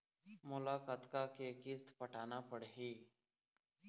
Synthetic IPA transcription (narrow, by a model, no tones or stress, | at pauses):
mʊlaːkaːt̪kaːkeːkist̪pəʈaːnaːpəɽɦiː